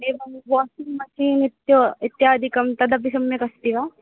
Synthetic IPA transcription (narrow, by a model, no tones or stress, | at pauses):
ebɐnbɔːsɪŋɡmɐʃiːnɪt̪joɪt̪jaːd̪ikɐmt̪ɐd̪ɐp̬isɐmːẽkɐst̪iʋaː